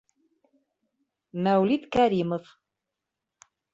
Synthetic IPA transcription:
mæwlit̪kæɾimɤ̆f

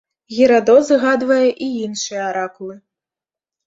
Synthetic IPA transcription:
ɣʲiɾad̪ɔzɣad̪vɐjɛʔiinʂɨjɐaɾakulˠɨ

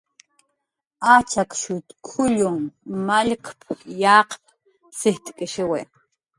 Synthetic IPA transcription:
at͡ʃakʃʊt̪kʰʊʎoŋmaʎqpjaːqp̚ | sɪht̪kʼeʃɪwe

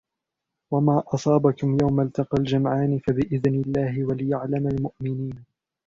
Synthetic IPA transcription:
wamaːʔɑsˤɑːbakʊmjawmalt̪ɑqɑld͡ʒamʕaːnɪfabɪʔɪðnɪlːaːhɪwalɪjaʕlamalmʊʔmɪniːn

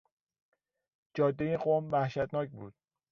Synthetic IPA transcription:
d͡ʒɒːd̪ːejeɢoːmvæhʃæt̪nɒːcbuːd̪̥̚

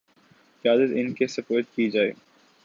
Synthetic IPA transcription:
jaːd̪ət̪ɪnkesəpoːt̪̚kid͡ʒaːe

